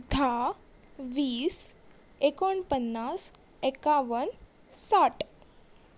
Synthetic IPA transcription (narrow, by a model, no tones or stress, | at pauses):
d̪ʱa | ʋiːs | ekoɳpənːas | ekaʋən | saʈ